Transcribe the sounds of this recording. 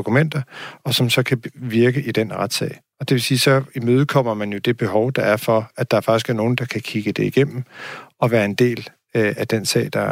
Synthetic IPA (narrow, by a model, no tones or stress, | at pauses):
okʰumen̰d̥ɐɒ̽sɒ̽msɒ̽kʰæʋiɐɡ̥əʔid̥enʁad̥sɛ̰ɪ | ɒ̽d̥e̝ʋe̝siːsɒ̽imøːð̞̩ˠkʰɒ̽m̰ɐmænjo̝d̥e̝b̥e̝ɦɒʊd̥ɑ̈æɐfɒ̽æd̥ɑ̈æɐfɑ̈ɡ̥isɡ̥æɐno̝ːn̩d̥ɑ̈kʰækʰiɡ̥əd̥e̝iɡ̥em̰m̩ɒ̽ʋæːɐe̝nd̥e̝̰ːl | æd̥ensɛ̰ɪd̥ɑ̈